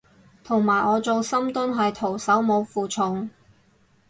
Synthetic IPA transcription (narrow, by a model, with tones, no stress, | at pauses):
t̪ʰʊ˨˩ŋmaː˨˩jʔɔː˨˧t͡so˨wsɐ˥mt̪ʊ˥nɦɐ˨jt̪ʰo˨˩wsɐ˨˥wmo˨˧wfuː˨t͡sʰʊ˨˩ŋ